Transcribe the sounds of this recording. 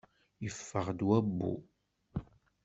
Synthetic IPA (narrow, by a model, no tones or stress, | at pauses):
jəfːəʁd̪wæbːṵ